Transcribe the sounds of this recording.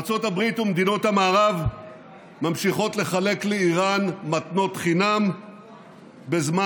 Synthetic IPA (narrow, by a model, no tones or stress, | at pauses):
t͡so̞tabʁit̪umed̪ino̞thamaːʁav | mamʃiχo̞t̪le̞χale̞kleiʁanmat̪no̞t̪χinam | bezma